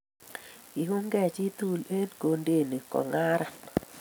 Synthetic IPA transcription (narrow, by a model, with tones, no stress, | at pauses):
i˨ku˦ŋɡɛ˨t͡ʃi˦t̪u˦le˦dko˨nde˦˨ni˨kɔ̰˨ŋa˦ɾa˨